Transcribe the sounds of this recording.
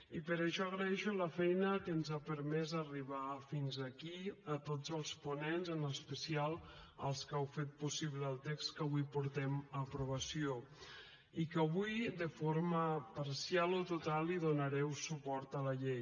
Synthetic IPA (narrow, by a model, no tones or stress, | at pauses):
ipəɾəʃɔəɣɾəɛʃuləfɛjnəkənzapəɾmɛzəriβafinzəkiət̪ozəlˠspunenzənəspəsialˠə̰lˠskawfet̪̚pusiβləːlˠt̪ekskəβujpuɾt̪ɛməpɾuβ̞əsio | ikəβujd̪əfoɾməpəɾsialot̪ut̪alˠiðunəɾɛwsupɔɾt̪ələʎej